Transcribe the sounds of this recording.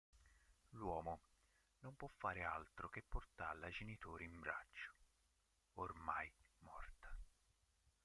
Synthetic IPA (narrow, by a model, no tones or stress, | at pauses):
lwɔːmo | nompwɔfːaːɾealt̪ɾokepːort̪alad͡ʒenit̪oːɾeimbɾa̰t͡ʃːo̥ | ormajmɔrt̪ḁ